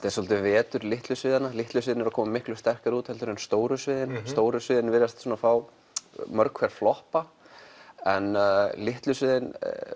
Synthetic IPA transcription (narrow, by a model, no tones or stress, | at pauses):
t̪ɛsɔlt̪ɪvɛːt̪ʏɾlɪht̪lʏsvɪːðanalɪht̪lʏsɪːɪnɛɾakʰɔːmamɪhklʏst̪ɛr̥kaɾuːt̪hɛlt̪ʏɾʏnst̪oːwɾʏsvɪːðɪnst̪oːwɾʏsvɪːðɪnvɪɾast̪suːnafaːw | mœɾkʰvɛɾ̥flɔhpa | ɛnlɪht̪lʏsvɪːðɪn